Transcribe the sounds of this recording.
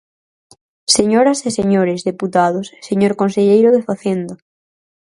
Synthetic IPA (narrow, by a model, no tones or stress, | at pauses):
seɲoɾaseseɲoɾezðeput̪að̞osseɲoɾkonseʎejɾoðefaθjend̪ɐ